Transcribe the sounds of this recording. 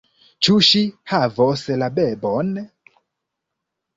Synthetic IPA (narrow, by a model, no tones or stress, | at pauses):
t͡ʃuʃihavɔslabɛbɔn